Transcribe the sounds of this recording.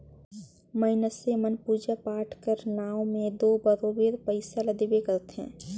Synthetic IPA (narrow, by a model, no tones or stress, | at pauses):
məɪnəsemənpuːd͡ʒapaːʈʰkəɾnaːõmẽd̪oːbəɾoːbiːɾpəɪsalɐd̪ibekɐɾt̪ɦɛ̰̃ː